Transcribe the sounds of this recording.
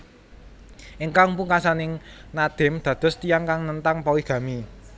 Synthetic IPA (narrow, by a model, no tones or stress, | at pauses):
ʔɪŋkaŋpuŋkasanɪŋnad̪̥ɪ̤md̪̥ä̤d̪̥ʊ̤st̪ijaŋkaŋnənt̪aŋpawiɡ̥ä̤mi